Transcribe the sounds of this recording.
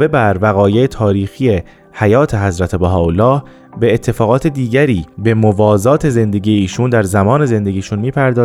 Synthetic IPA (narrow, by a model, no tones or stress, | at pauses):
ebæɾvæɣɒːjeet̪ʰɒːɾiːxije̞ | hæjɒːt̪ʰe̞ɦæzɾæt̪ʰe̞bæɦɒːolːɒːh | be̞ːt̪ʰːe̞fɒːɣɒːt̪ʰed̪iːɟæɾiːbe̞movɒːzɒːt̪ʰeze̞nd̪e̞ɟiːjeiːʃuːnd̪æɾzæmɒːne̞ze̞nd̪e̞ɟiːʃunmiːpʰæɾd̪ɒː